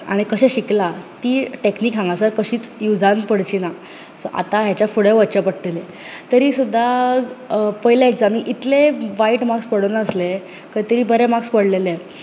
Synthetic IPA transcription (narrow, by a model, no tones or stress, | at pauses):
a̰ɽ̃ikəɕẽɕiklat̪iːʈekniːksãŋɡasaɾkəɕiːt͡sjud͡zãnpəɽt͡ɕina | sɔ̰ʔa̰t̪aɦjat͡ɕjafuɽeʋət͡ɕəpəɽʈele | t̪əɾiːsud̪ʱːa | pəɦiljaekd͡zamĩʔit̪leʋaiʈmakspəɽonaəsle | kəjt̪əɾiːbəɾemakspəɽlele